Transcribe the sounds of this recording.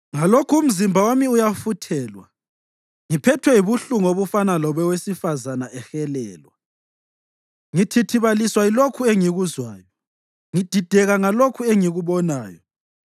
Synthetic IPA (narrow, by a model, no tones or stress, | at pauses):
ŋalokʰuum̩zimbʱawomiujafutʰɛːlwa | ŋipʰɛtʰwɛiβuɬuŋoβufanalɔβɛwesifazanaʔɛxɛlɛːlwa | ŋitʰitʰiβaliswailokʰueŋiɣuzwaːjɔ | ŋid̥ʱid̥ʱɛɣaŋalokʰueŋiɣuβɔna̰ːjɔ